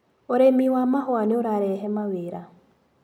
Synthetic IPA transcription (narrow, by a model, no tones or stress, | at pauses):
oɾemiwamahɔaneoɾaɾɛɦɛmaweɾa